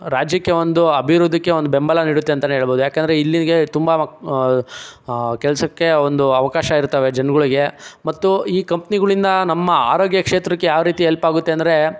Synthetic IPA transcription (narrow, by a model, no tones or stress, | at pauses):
ɾaːd͡ʒjɐkːeo̞nd̪uɐbʱiɾud̪ːɐkːe̞ond̪ubembɐlɐniːɽut̪ːeɐnt̪ɐneɦeːɭɐboːd̪ujaːkeːnd̪ɐɾeilːinɐɡe̞t̪umbɐ | kɛlɐsɐkːe̞ond̪uɐʋɐkaːʃɐiɾt̪ːɐʋed͡ʒɐnɐɡɐɭiɡe̞mɐt̪ːuiːkɐmpiniɡɐɭind̪ɐnɐmːɐaːɾoːɡjɐkʂeːt̪ɾɐkːejaːʋɾiːt̪ielpaːɡut̪ːe̞ɐnd̪ɐɾe̞